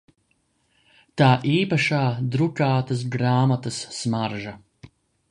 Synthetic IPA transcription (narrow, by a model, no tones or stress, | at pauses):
t̪aːʔiːpaʃaːd̪ɾukaːt̪ɐsɡɾaːmat̪ɐsːmaɾʒɐ